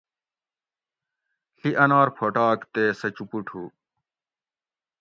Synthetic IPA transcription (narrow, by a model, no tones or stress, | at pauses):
ɬiʔɐnaːɾpʰoʈaːkt̪eːsɐt͡ɕupuʈʰuː